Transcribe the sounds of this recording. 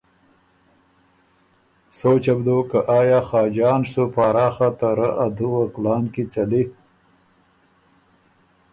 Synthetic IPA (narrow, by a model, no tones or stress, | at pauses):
soːt͡ʃabd̪oːkaʔɑːjɑːxɑːd͡ʒɑːnʂupɑːɾɑːxat̪aɾaʔad̪uwaklɑːnkit͡sali